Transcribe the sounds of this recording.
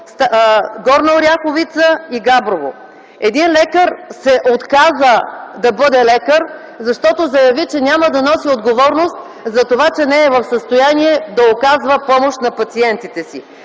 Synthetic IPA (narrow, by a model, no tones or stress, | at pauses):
st̪ɡɔɾnəɾʲjaxovit̪səiɡabɾovo | ɛd̪inlɛkəɾsɛʔot̪kazəd̪ɐbɤd̪ɛlɛkəɾ | zɐʃt̪ɔt̪ozɐjɐvit͡ʃɛnʲaməd̪ɐnɔsiod̪ɡovɔɾnost̪ | zɐt̪ovat͡ʃɛnɛːvɐfsəst̪ojaniɛd̪ɐokazvəpɔmoʃt̪nɐpɐt̪siɛnt̪it̪ɛsi